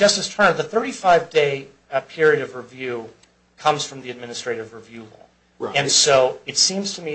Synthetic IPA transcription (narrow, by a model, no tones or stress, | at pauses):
ʌstɨz̥tʰɜ̃˞nðəθɜ˞ɾifaɪvdeɪ | pʰɪɹiɨɾʌvɹɨvjʉ | kʰʌ̃mz̥fɹʌ̃mðiɨd̚mɪ̃nɨstɹ̥eɪɾɨvɹɨvjʉlɔ̰ | ɨ̃nsoʊɨtsĩmz̥tʰɨmi